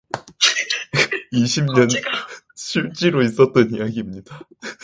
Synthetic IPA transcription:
iɕʰimɲʌn | ɕʰiɭt͡ɕ͈iɾois͈ʌt̚t͈ʌnijaɡimɲid̥a

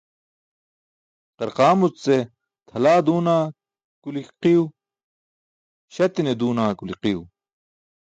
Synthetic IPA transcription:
qɐɾqaːmut͡sse | t̪ʰɐlaːd̪uːnaː | kuliqiu | ɕɐt̪ined̪uːnaːkuliqiu

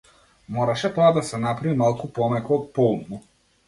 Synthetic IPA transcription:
mɔɾaʃɛt̪ɔad̪asɛnapɾavimalˠkupɔmɛkɔɔt̪̚pɔlˠnu

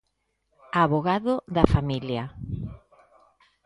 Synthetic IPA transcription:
aβoɣaðoðɐfamilja

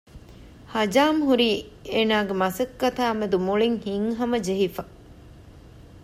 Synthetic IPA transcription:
hɐd͡ʒaːmɦuɾiːeːnaːɡemɐsɐkːɐt̪aːmed̪umuɭiŋhiŋɦɐmɐd͡ʒeɦifɐ

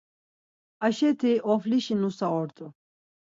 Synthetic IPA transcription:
aʃɛt̪ʰiʔɔfliʃinusaɔɾt̪ʼu

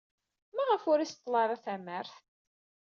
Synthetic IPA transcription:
mæʁəfʊɾist̪ˤːlɑɾˤæθæməɾθ

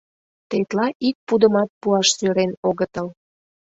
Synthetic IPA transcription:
t̪et̪lɑʔik̚pud̪əmɑt̪̚puɑʃsyɾenoɣət̪əl

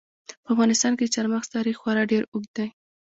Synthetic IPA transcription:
pəafɣɑnɪst̪ɑnkeət͡ʃaɾmaxst̪ɑɾixxwɑɾɑɖeɾʊɡd̪aj

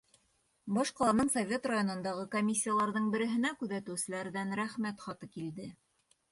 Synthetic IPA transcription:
bɒʃqɑlˠɑnɤnsovʲet̪rajo̞nɤ̆nd̪ɑʁɤkomʲisʲːijalˠɑɾðɤɴbɘ̆ɾɘ̆ɦɘ̆nækʉðæt̪ɘ̆wsɘ̆læɾðænɾæχmæt̪χɑt̪ɤkild̪ɘ

